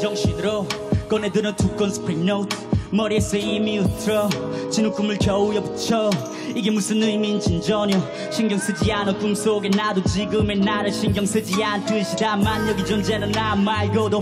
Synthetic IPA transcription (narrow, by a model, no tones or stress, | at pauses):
d͡ʑʌŋɕidɯɾo | kʌnedɯnɯtʰuk͈ːonspʰɾenowt̪ʰmʌɾieseimiutʰɾʌ | t͡ɕinukumɯɭtʰʌujʌbut͡ɕʰʌ | iɡemusɯmnuimint͡ɕind͡ʑʌɲjɔ | ɕiŋɡjʌŋsɯd͡ʑianɔkumsoɡenad̪od͡ʑiɡɯmenaɾɯɕiŋɡʲjʌŋsɯd͡ʑiantuiɕidamanjʌɡid͡ʑond͡ʑenɯnamaiɡod̪o